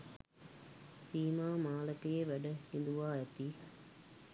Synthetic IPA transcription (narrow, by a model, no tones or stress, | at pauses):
siːmaːmaːləkəjeʋæɖəhind̪uʋaːæt̪i